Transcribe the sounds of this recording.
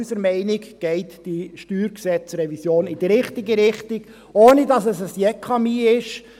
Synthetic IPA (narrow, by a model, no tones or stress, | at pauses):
səɾmɛɪnɪɡɡ̥ɛɪtd̥iʃtyːɾksɛt͡sɾɛvisjoːnɪd̥iɾɪχtɪɡəɾɪχtɪɡ̥ | oːnidɑsəsəsjɛkʰɑmiːɪʃ